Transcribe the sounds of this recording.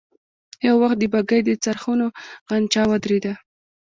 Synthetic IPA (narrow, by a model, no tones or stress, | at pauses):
jawwaxt̪̚d̪əbaɡəjd̪ət͡saɾxunoɣant͡ʃɑwad̪ɾed̪a